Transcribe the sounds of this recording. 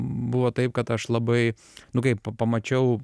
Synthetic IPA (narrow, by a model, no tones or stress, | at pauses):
bʊʋoːt̪ɐɪpkɐt̪ɐʃlˠɐbɐɪ | nʊkɐɪppɐmɐt͡ʃʲɛʊ